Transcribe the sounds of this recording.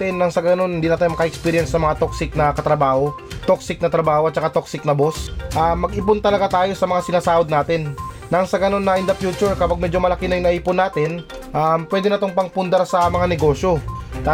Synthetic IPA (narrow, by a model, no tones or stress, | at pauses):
t̪ɪnːɐŋsɐɡɐno̞nhɪnd̪iːnɐt̪aːjomɐkɐʔɛkspiːɾjɛnsɐmɐŋat̪oksɪk̚nɐkɐt̪ɾɐbaːho̞ | t̪oksɪk̚nɐt̪ɾɐbaːhoʔɐt̪̚t͡ʃːɐkat̪oksɪknɐbo̞sʔamːɐɡʔɪpʊnt̪ɐlɐɡat̪aːjo̞sɐmɐŋasɪnaːsaːʔod̪naːt̪ɪnː | ɐŋsɐɡɐno̞nːɐʔɪnd̪ɐfjuːt͡ʃʊɹkɐpaɡ̚mɛːd͡ʒomɐlɐkɪnɐjʊŋnɐʔiːpʊnːaːt̪ɪn | ʔampwɛːd̪ɪnɐt̪oŋpɐŋpʊnd̪ɐɾsɐmɐŋanɛɡo̞ːʃjo̞t̪a